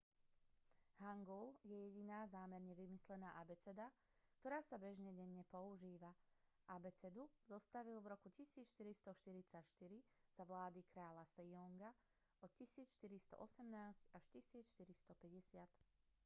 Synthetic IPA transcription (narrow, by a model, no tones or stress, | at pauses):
ɦaŋɡɔljɛjɛɟinaːzaːmɛɾɲɛʋimislɛnaːʔabɛt͡sɛd̪a | k̚t̪ɔɾaːsabɛʒɲɛɟɛɲːɛpɔuʒiːʋa | ʔabɛt͡sɛd̪uzɔst̪aʋilvɾɔkucisiːt͡sʃt̪iɾist̪ɔʃt̪iɾit͡sacʃt̪iɾiz̥aʋlaːd̪ikɾaːlasɛɔŋɡa | ɔcisiːt͡sʃt̪iɾist̪ɔ̰ʔɔsɛmnaːscaʃcisiːt͡sʃt̪iɾist̪ɔpɛɟɛsɪat̪